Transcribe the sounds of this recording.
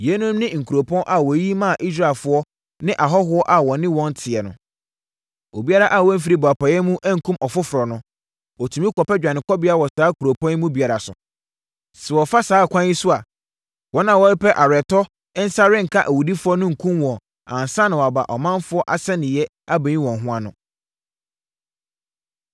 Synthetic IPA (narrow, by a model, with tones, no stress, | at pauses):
jɛ˦nʊ̃˦mnɪ̃˦ŋ̩˨kʰu˨ɾo˨pʰɔ̃˦nʔa˨wɔ˨ji˦mã˦˨ʔi˦s̬ɾa˦˨ɪ˨lfʊ˦ɔ˦ | nɪ̃˦ʔa˨ɦɔ˦ɦʊ˦ɔ˦ʔa˨wɔ˨nɪ̃˦wɔ̃˦n̩˦tʰɪ˨ɛ˨nʊ̰̃˨ | o˨bi˦a˦ɾa˦ʔa˨wɔ˦m̩˦f̬i˦ɾi˦bɔ˨a˨pa˨jɛ˦mũ˦ʔɛ˦ŋ̩˨kʰũ˦mʔɔ˨fʊ˦fʊ˨ɾɔ˨nʊ̃˦ | ɔ˨tʰũ˨mĩ˦kɔ˨pɛ˦d͡ʑᶣa˨nɪ̃˨kɔ˦bɪ˦a˦wɔ˨saː˨˦kʰu˨ɾo˨pʰɔ̃˦n˦mũ˦bi˨a˨ɾa˨sʊ̰˨ | sɛ˨wɔ˨fa˦saː˨˦˨kʷʰã˦i˦sʊ˦a˨ | wɔ˦nã˨wɔ˦pʰɛ˦ʔa˨ɾɛ˨tɔ˦ | ɛ˦n̩˦sa˦ɾɪ̃˦ŋ̩˨kʰa˦ʔæ˨wu˨di˦fʊ˦ɔ˦nʊ̃˦ŋ̩˨kʰũ˦mwɔ̃˨ | ã˨n˨sã˦nɪ̃˨wɔ˨a˨ba̰˨ʔɔ˨mã˦nfʊ˦ɔ˦ʔa̰˨sɛ˦nɪ̃˨jɛ˦ | a˦bɛ̃˨ɲĩ˦wɔ̃˨ŋɦʊ̃˦ã˦nʊ̃˦